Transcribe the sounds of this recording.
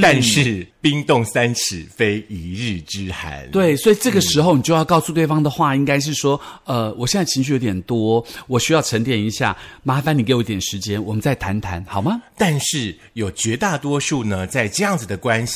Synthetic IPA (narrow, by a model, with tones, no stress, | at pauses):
t̪a˥˧nʂɻ̩˥˩pi˦˥ŋt̪ʊ˥˨˩ŋsa˦˥nʈ͡ʂ̩ʰ˨˩fe˥ɪi˧˥ɻ̩˥˩ʈ͡ʂɻ̩˥xa̰˧˦nt̪we˥˩ɪswɔ˧˥i˨˩ʈ͡ʂɤ˥˩ɡə˩ʂɻ̩˧˥xo˧ʊn˨t͡ɕjo˥˧ʊjɑ˥˧ʊkɑ˥˧ʊsu˥˧t̪we˥˩ɑ˥ŋd̪ə˨xwa˥˩i˥ŋka˥ɪʂ̬ɻ̩˥˩ʂwɔ˥ə˧˩wʔɔ˨˩ɕjɛ˥˧nt͡sa˥˩t͡ɕʰi˧˥ɕ̬y˥jo˧˥t̪jɛ˨˩nt̪wɔ˥wɔ˨˩ɕy˥jɑ˥˩ʊʈ͡ʂʰə˧˥ŋt̪̬jɛ˨˩ni˧˥ɕja̰˥˩ma˥fa˧ni˨˩ke˧˥o˧˥˧t̪jɛ˨˩nʂɻ̩˧˦˥t͡ɕjɛ˥nwɔ˨˩mə˦nt͡sa˥˩ɪt̪ʰa˧˥nt̪ʰa˧˥nxɑ˨˩mɐ˦t̪a˥˧nʂɻ̩˥˩ | jo˨˩ʊt͡ɕɥɛ˧˥t̪a˥˩t̪wɔ˥ʂu˥˩nə˩t͡sa˥˧ɪʈ͡ʂɤ˥˧jɑ˥˩ŋd͡zɨ˨˩d̪ə˩kwa˦˥nɕ